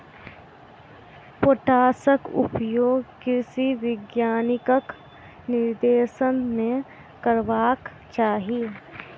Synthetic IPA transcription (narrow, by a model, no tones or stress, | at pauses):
poʈaːsəkʊ̰pjoːɡkɪsiʋɪɡjaːnɪkək | nɪɾd̪eːʃənmẽ | kəɾʋaːk | t͡ʃaːɦiː